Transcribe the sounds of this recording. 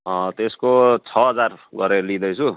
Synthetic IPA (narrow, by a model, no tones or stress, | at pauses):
t̪eskot͡sʰʌɦʌd͡zarɡʌɾeɾʌlid̪ʌjt͡sʰu